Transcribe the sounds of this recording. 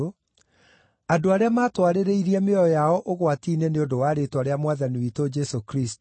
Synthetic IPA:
o | adoaɾeamaːtwaɾeɾeiɾiɛmeɔjɔjaɔʔoɣwatiːneneondowaːɾetwaɾeamwaðaniwitod͡ʒɛsokɾist

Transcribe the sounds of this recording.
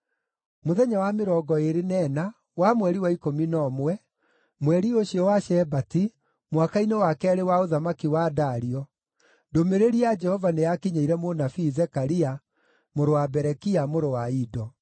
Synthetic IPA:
moðɛɲawameɾɔːɡɔeɾenɛːna | wamwɛɾiwaikominɔmwɛ | mwɛɾioɕiɔwaʃɛbati | mwakainewakɛaɾewaoðamakiwaːdaɾiɔ | domeɾeɾiad͡ʒɛhɔvanejakiɲeiɾɛmonafiːzɛkaɾia | moɾowabɛɾɛkiamoɾowaidɔ

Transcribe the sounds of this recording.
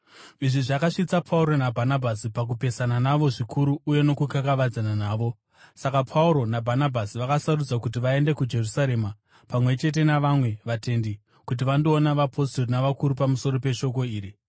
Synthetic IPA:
iʐiʐakaʂit͡sapʰauɾo̞nabʱanabʱasipak̬upe̞sananaʋo̞ʐikʰuɾuːje̞no̞kukakaʋad͡zananaːʋo̞ | sakapʰauɾo̞nabʱanabʱasiʋakasarud͡zakut̬iʋae̞nde̞kud͡ʒe̞rusaɾe̞ma | pamwe̞t͡ʃe̞t̬e̞naʋamwe̞ʋate̞ndi | kut̬iʋando̞ːnaʋapʰo̞stornaʋakuɾupamuso̞ɾo̞pe̞ʃo̞ko̞iːɾi

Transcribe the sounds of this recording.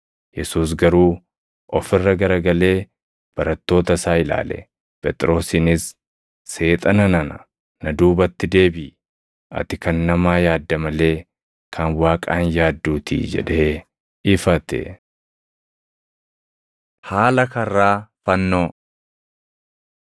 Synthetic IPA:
jɛsuːs̬ɡɐɾuː | ɔfɪrːɐɡɐɾɐɡɐle̞ː | b̥ɐɾɐt̪ːo̞ːt̪ɐsaːɪla̰ːlɛ̰ | pʼɛt̪ʼɪɾo̞ːsɪnɪsː | e̞ːt̪ʼɐnɐnɐnɐ̰ | nɐd̪uːbɐt̪ːɪd̪e̞ːbɪ | ʔɐ̰t̪ɪkɐnːɐmaːjaːd̪ːɐmɐle̞ː | kʰɐnwaːkʼaːnjaːd̪ːuːt̪ʰḭːd͡ʒɛ̰ᶑe̞ː | ɪfɐt̪ɛ̰ | haːlɐkɐrːaːfɐnːoː

